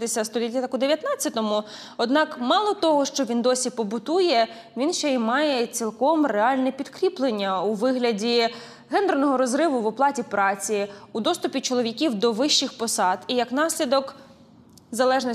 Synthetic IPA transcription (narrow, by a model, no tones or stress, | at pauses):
d̪esʲɐst̪ɔlʲit̪ʲːɐt̪ɑkʊd̪eʋjɐt̪nɑt͡sʲːɐt̪ɔmʊ | ɔd̪nɑkmɑlˠɔt̪ɔɦɔʃt͡ʃɔʋʲind̪ɔsʲipɔbʊt̪ujɛ | ʋʲinʃt͡ʃɛimɑjɛt͡sʲilˠkɔmreɑlʲnɛpʲid̪kɾʲiplˠenʲːɐuʋɪɦlʲɐdʲi | ɦɛnd̪rnɔɦɔɾɔzɾɪʋʊʋɔplˠɑtʲipɾɑt͡sʲiud̪ɔst̪ʊpʲit͡ʃɔlˠɔʋʲikʲiwd̪ɔʋɪʃːɪxpɔsɑd̪̥ijɐknɑsʲlʲid̪ɔk | zɐlˠɛʒnɔ